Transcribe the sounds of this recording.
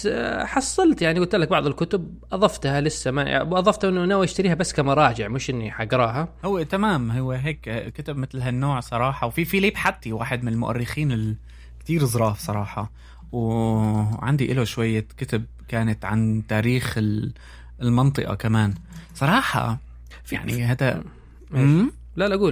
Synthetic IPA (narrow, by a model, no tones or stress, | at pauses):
ħɑsˤːɑlt̪jaʕniɡʊlt̪lːak̚bɑʕðˤɪlkʊt̪ʊb̚ | ʔɑðˤɑft̪halɪsːama̰wʔɑðˤɑft̪ʔɪnːʊʔnawjɪʃt̪aɾiːhabasːkamɑɾˤɑːd͡ʒɪʕmɪʃʔɪnːiħaɡɾˤɑːɦahʊwːet̪amaːmɦʊwːeɦeːkkɪt̪abmɪt̪lɦanːoːʕsˤɑɾˤɑːħɑwfifiliːbħat̪ːiwaːħɪd̪mɪnɪlmʊʔa̰rːɪxiːnɪl | kt̪iːɾzˤɾˤɑːfsˤɑɾˤɑːħɑ | w | ʕa̰nd̪iʔɪloʃwajːakɪt̪ɪb̚kaːnat̪ʕa̰nt̪aːɾiːxɪl | lmɑnt̪ˤɨʔɑ̰kamaːnsˤɑɾˤɑːħɑ̰ | ja̰ʕnihaːd̪a | m | lalʔaɡuːl